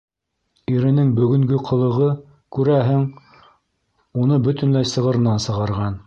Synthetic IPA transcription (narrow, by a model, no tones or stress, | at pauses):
iɾɘ̆nɘŋbɵ̆ɡɵ̆ŋɡɵqʰɤ̆lˠɤ̆ʁɤ | kʉɾæɦɘŋ | unɤbɵ̆t̪ɵ̆nlæjsɤ̆ʁɤ̆ɾɤ̆nɑnsɤ̆ʁɑɾʁɑn